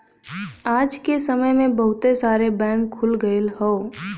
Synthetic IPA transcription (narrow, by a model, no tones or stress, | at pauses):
aːd͡ʒkesəməjmẽbəɦʊt̪esaːɾebɛ̃ːŋkʰːʊlɡəelɦoː